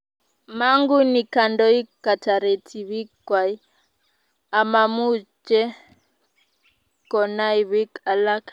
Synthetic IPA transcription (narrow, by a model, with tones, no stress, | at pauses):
ma˦ŋɡu˦ni˨ka˨ndɔ˦i˦ka˨tʰa˨ɾe˨tʰi˨βi˦kwa˨i˦ | a˨ma˨mu˦t͡ʃɛ˦ | kɔ˨na˦i˨βi˦ka˨la˦k